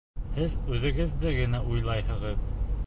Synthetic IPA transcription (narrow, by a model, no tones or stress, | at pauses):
hɘðʉðɘ̆ɡɘ̆ðːɘɡɘ̆næʔujlˠɑjhɤ̆ʁɤð